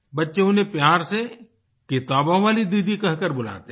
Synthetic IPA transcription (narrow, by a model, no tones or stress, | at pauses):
bɐtːʃeʊnepjaːɾse | kɪt̪aːbãʋaːlid̪iːd̪ʱikɐɦkəɾbʊla̰ːt̪e